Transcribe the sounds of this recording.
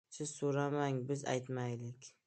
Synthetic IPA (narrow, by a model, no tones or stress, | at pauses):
sɪz̥soɾamaŋbɪza̰jt̪majlɪkʲ